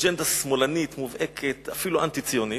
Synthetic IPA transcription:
d͡ʒend̪asmo̞lanit̪muvʔekʰet̪afiluʔa̰nt̪it͡sijo̞ni

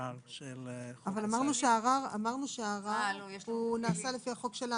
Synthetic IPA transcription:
avalamaʁnuʃeaʁaʁa̰maʁnuʃeaʁaunaːsalefiaχo̞kʃela

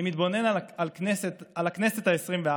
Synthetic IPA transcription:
mit̪bo̞ne̞naalkneset̪alakneset̪aesʁimvea

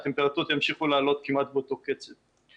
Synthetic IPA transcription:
t̪empeʁat̪uot̪jamʃiχulaːlo̞t̪kimat̪̚beot̪o̞ket͡set

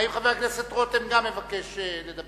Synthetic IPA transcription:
imχaveaklesat̪ʁot̪emɡamːevakeʃeled̪ab

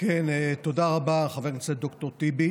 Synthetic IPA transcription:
kenet̪odaʁabaχaveʁnit͡ssetd̪okt̪oʁt̪ibi

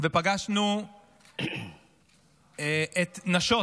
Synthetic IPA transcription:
vepaɡaʃnu | ʔet̪naʃo

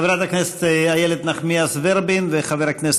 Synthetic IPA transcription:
vɾataknɛstajɛlɛdnaχmiasvɛɾbɪnvɛχavɛɾaknɛs

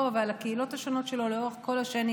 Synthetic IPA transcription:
avalakeilo̞thaʃono̞tʃe̞lo̞leo̞ʁeχko̞lhaʃeni

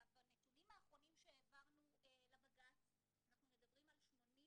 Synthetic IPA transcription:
banetunimaːχʁo̞nimʃeːvaʁnuelabaɡat | anaχnumed̪ɐbʁimalʃmo̞ni

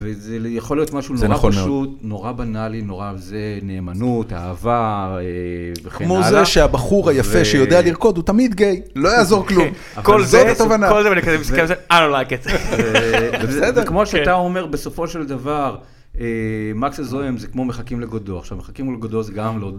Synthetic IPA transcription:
vezejaχo̞liot̪maʃunozeʁnaχopaʃut̪noʁabanalinoʁazene̞ːmanut̪a̰ːvaevekemozaeʃeabaχuʁhajafeʃejo̞d̪ealiʁko̞d̪ut̪amid̪ɡejlo̞jaːzo̞ʁklum | avkolzobet̪ovanakolzevanikazemiskemseadonlaketzeebesed̪eekmo̞ʃeat̪ao̞me̞ʁbe̞so̞fo̞ʃeld̪avaʁ | emaksezoemzekmo̞meχakimleɡod̪oaχʃavmeχakimuleɡod̪ozeɡamlo

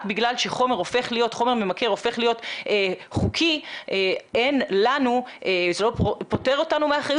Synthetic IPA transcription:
tbiɡlalʃeχo̞me̞ʁo̞fe̞χlijo̞tχo̞meʁme̞make̞ʁo̞fe̞χlijoteχukʰieenlanuʔezelo̞ppo̞te̞ʁo̞tanumeaχaju

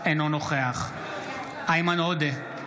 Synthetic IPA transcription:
enonoχeaχ | aimanod̪e

